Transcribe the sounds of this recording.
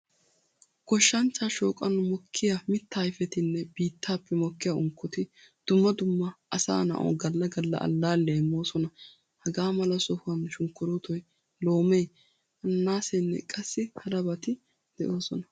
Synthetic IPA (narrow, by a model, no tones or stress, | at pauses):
kɔʃːɐnt͡ʃːaːʃoːkʼɐnʊmɔkʰːɪjamɪt̪ːaːjfɛt̪ɪnːɛbiːt̪ːaːpʰːɛmɔkːɪjaʊŋkʰːɔt̪ɪ | d̪̥ʊmːɐd̪ʊmːɐʔɐsa̰ːnɐ̰ʔo̰ːɡɐlːɐɡɐlːɐ̰ʔɐ̰lːaːlːeːmːo̞ːsɔnɐ | hɐɡaːmɐlɐsɔhʊɐnʃʊŋkːʊɾʊt̪ɔj | lo̞ːmeː | ɐnːaːsɛnːɛ̰kʼɐsːɪhɐɾɐbɐt̪ɪ | d̪̥ɛʔoːsɔnɐ